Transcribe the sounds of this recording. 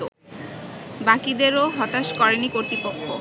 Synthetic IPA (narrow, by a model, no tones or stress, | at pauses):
o | bakid̪eɾoɦɔt̪aʃkɔɾenikoɾt̪ɾipokʰːo̰